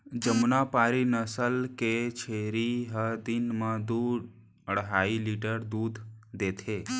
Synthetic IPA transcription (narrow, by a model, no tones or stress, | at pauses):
d͡ʒəmnapaɾinəsəlket͡ʃʰeɾiɦəd̪inmãd̪uɖ | əɽɦailiʈəɾd̪ud̪ʱːet̪ʰe